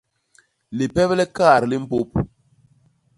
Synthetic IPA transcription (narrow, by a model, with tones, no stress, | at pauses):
li˨pɛ˦blɛ˦ka˦˨ɾli˦m̩˦po˦p̚